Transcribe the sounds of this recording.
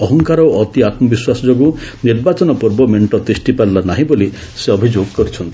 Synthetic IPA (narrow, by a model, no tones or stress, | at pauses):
ɔɦɔŋkaɾɔwʔɔt̪iat̪mɔbiswasɔd͡ʒoɡuniɾbat͡ʃɔnɔpuɾbɔmeɳʈɔd̪ɾisʈipaɾlanaɦĩboli | seɔbʱid͡ʒoɡkɔɾit͡ʃʰɔnt̪i̥